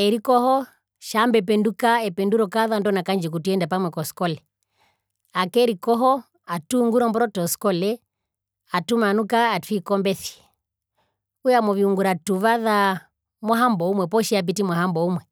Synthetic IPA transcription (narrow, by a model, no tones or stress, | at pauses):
ɛɾikɔhɔ | ʃambɛp̬ɛndukaɛpɛnduɾɔkaðandɔnakand͡ʒik̬utuɛndapamwɛkɔskɔlɛ | akɛɾikɔɦɔ | atuuŋɡuɾɔmbɔɾɔtɔskɔlɛ | atumanukaːtwikɔmbɛθi̥ | ujamɔviuŋɡuɾatuʋaða | mwaɦambɔumwɛpɔʃiap̬itimwaɦambɔumwɛ